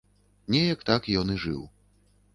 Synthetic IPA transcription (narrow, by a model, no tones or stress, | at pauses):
nʲɛjɐkt̪akjɔnɨʐɨ̰w